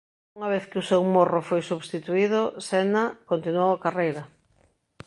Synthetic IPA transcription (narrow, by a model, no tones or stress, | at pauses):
uŋɐβ̞eθkɪusewmorofojsuβst̪it̪uiðʊsɛnakont̪inuowakarejɾɐ